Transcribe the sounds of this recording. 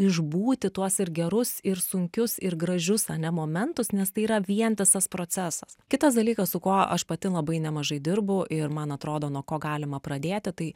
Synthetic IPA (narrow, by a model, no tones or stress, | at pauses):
ɪʒbuːt̪ʲɪt̪uɔsɪɾɡʲɛɾʊsɪɾsʊŋʲkʲʊsɪɾɡɾɐʒʲʊsɐnʲɛmoːmʲɛnt̪ʊsnʲɛst̪ɐɪiːɾɐʋʲiɛntʲɪsɐspɾoːt͡s̪ʲæsɐskʲɪt̪ɐsd̪ɐlʲiːkɐssʊkoːɐʃpɐt̪ʲɪlˠɐbɐɪnʲɛmɐʒɐɪd̪ʲɪɾbʊʔɪɾmɐnɐt̪ɾoːd̪oːnuɔkoːɡɑːlʲɪmɐpɾɐd̪ʲeːt̪ʲɪt̪ɐɪ